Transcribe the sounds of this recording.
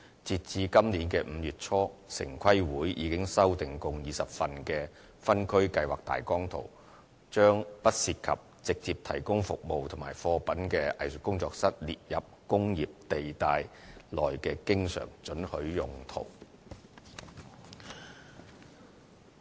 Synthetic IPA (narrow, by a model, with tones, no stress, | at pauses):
t͡siː˧t̚t͡siː˧kɐ˥mniː˨˥nkɛː˧m̩˨˧jyː˨t̚t͡sʰɔː˥sɪ̰˨˩ŋkʷʰɐ˥jwuː˨˥jjiː˨˧kɪ˥ŋsɐ˥wt̪ɪ˨ŋkʊ˧ŋjiː˨sɐ˨p̚fɐ˨nkɛː˧ | fɐ˥nkʰɵ˥ɥkɐ˧jwa̰ː˨k̚t̪a̰ː˨jkɔː˥ŋt̪ʰo̰˨˩w | t͡ʃœː˥ŋpɐ˥t̚siː˧t̚kʰɐ̰˨p̚t͡sɪ˨k̚t͡siː˧p̚t̪ʰɐ̰˨˩jkʊ˥ŋfʊ˨k̚mo˨wt̪ʰʊ˨˩maː˨˩jfɔː˧pɐ˨˥nkɛː˧ɐ̰˨˩jsɵ˨k̚kʊ˥ŋt͡sɔː˧k̚sɐ˥t̚lḭː˨t̚jɐ˨p̚kʊ˥ŋjiː˨p̚t̪e˨jt̪aː˧jlɔː˨˩jkɛː˧kɪ˥ŋsœ̰ː˨˩ŋt͡ʃɵ˨˥nhɵ˨˥ɥjʊ˨˧ŋt̪ʰo̰˨˩w